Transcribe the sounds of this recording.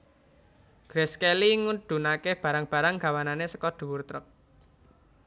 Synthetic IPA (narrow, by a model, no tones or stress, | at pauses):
ɡ̥ɾɛskeliŋuɖ̪̥ṳnakeb̥ä̤ɾaŋb̥ä̤ɾaŋɡ̥a̤wananesəkɔɖ̪̥ṳwurt̪ɾɔk̚